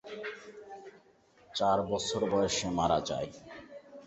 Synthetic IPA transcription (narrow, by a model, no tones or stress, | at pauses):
t͡ɕaɾbɔt͡ɕʰoɾbɔjeʃemaɾad͡ʑa̰j